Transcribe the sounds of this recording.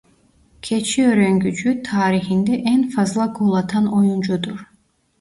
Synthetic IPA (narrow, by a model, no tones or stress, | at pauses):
kʲʰet͡ʃʰiøɾøŋɡʲyd͡ʒyt̪ʰaːɾihind̪ɛʔɛnfɑzlˠɑkʰulˠɑt̪ʰɑnojund͡ʒud̪uɾ